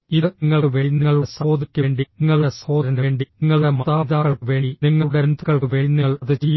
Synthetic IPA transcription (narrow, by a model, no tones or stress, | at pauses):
iðɨiŋːɐɭkɨʋeːnːiŋːɐɭusɐoːd̪ikʲːueːɳɖiniŋːɐɭueso̞ːɐɾɐɳɖeːɳɖiniŋːɐɭɽemɐðaːðaːɣɐɭkɨʋe̞ːiniŋːɐɭɽend̪uɣɐɭkɨʋeːnːɐɭɐðɨt͡ɕij